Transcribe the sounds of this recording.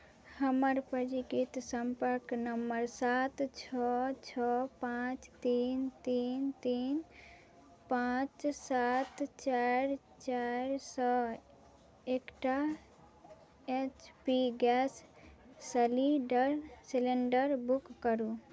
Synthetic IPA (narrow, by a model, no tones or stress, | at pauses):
həməɾpəd͡ʒikit̪səmpəɾknəmːəɾsat̪t͡ʃʰɔt͡ʃʰɔpãt͡ʃt̪int̪int̪in | pãt͡ʃsat̪t͡ʃaɾ | t͡ʃaɾsɔ | ekʈa | et͡ʃpiɡɛsː | əliɖəɾsileɳɖəɾbukːəɾu